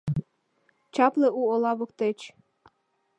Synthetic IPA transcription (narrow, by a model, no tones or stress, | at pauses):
t͡ɕɑpleʔuolɑβɤ̆k̚t̪et͡ɕ